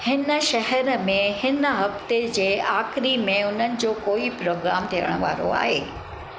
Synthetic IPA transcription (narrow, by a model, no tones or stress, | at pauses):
hɪnə̆ʃɐɦɛɾmẽhɪnəɦɐft̪ed͡ʑeːaːxɾimẽʊn̤ənɪ̆d͡ʑoːkoːipɾoːɡɾaːmt̪ʰijə̰ɽ̃ʋa̰ːɾo̰a̰ːɦeː